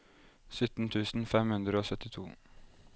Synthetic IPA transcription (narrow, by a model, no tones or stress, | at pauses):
sʏt̪n̩t̪ʰʉːsn̩fɛmhʉnd̪ɾəoːsœt̪ɪt̪ʰuː